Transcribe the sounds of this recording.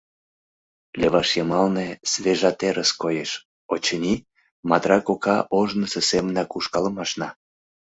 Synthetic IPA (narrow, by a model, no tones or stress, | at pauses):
lʲeβɑʃjɑmɑlnesveʒɑt̪eɾʔəskojeʃ | ot͡ɕənʲi | mɑt̪rɑkokɑʔoʒnəsesemənɑkuʃkɑləmɑʃnɑ